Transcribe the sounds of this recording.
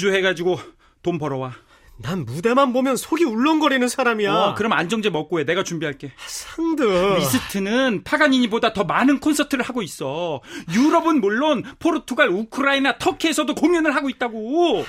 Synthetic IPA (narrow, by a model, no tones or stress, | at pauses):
d͡ʑuɦe̞ɡad͡ʑiɡo | tombʌɾʌwa | nanmude̞manbomjʌnsʰoɡiuɭːʌnɡʌɾinɯnsʰaɾamiakɯɾʌmand͡ʑʌŋd͡ʑemʌk͈̚oene̞ɡat͡ɕumbiɦaɭk͈e̞sʰaŋdɯmis͈ʰɯtʰɯnɯnpʰaɡaɲiɲibodatʌmanɯnkʰonsʰʌtʰɯɾɯɭhaɡois͈ʌjuɾʌbɯnmuɭːonpʰoɾotʰuɡaɭukʰɯɾainatʰʌkʰiesʰʌdokomjʌnɯɭɦaɡoit̚t͈aɡo